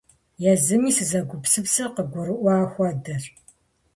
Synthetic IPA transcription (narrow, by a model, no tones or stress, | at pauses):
jɛzɨmiːsɨzɐɡʷʊpsɨpsɐqəɡʷʊɾɨʔʷɑːxʷɔdɐr